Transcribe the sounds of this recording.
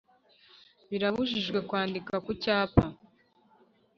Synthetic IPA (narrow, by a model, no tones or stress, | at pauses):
βiɾaβuʒiʒɡwe̞kwaːndikakucaːpa